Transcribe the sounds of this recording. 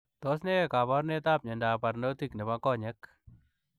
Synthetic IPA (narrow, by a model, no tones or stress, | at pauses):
t̪ɔsnɛekaβɔɾnet̪ap̚ɲɛndaparnot̪iknɛpakɔɲɛk